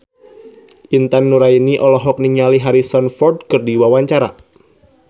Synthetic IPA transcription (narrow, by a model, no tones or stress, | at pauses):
ʔint̪anːuɾainiʔɔlɔɦɔk̚niŋaliɦaɾisɔnfɔrd̚kɨrdiwawaɲt͡ʃaɾa̰